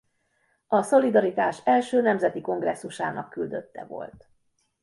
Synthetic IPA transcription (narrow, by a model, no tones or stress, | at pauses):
ɒso̞lid̪ɒɾit̪aːʃɛlʃøːnɛmzɛt̪iko̞ŋɡrɛsːuʃa̰ːnʔɒkːyld̪øt̪ːɛ̰vo̞̰lt̪